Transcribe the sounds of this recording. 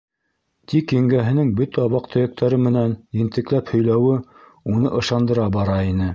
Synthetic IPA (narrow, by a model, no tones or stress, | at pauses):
t̪ʰikɘ̆ŋɡæɦɘ̆nɘŋbɵt̪æɑβɑq̚t̪ʰŏjĕk̚t̪æɾɘmɘ̆nænjɘ̆nt̪ɘ̆klæphɵ̆jlæwɘ | unɤʔɤ̆ʃɑnd̪ɤ̆ɾɑbɑɾɑinɘ